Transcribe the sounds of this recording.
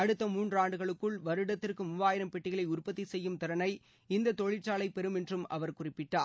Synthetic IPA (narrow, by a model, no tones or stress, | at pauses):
ɐɽɯt̪ːɐmuːndraːɳɖɯɣɐɭɯkːɯɭʋɐɾɯɽɐt̪ːɪrkɯmʊʋaːjɪɾɐmpɛʈːɪɣɐɭɐɪʊrpɐt̪ːisɛjːɯmt̪ɪɾɐnɐɪ | ɪnd̪ɐt̪ɔɻɪt͡ʃːaːɭɐɪpɛɾɯmɛndrɯmɐ̰ʋɐɾkʊrɪpːɪʈːaː